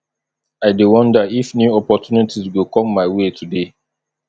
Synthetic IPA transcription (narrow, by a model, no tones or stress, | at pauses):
aɪdewɔ̃ndəifnjuɔpɔtjunitʰizɡokɔ̃mːaɪwetʰude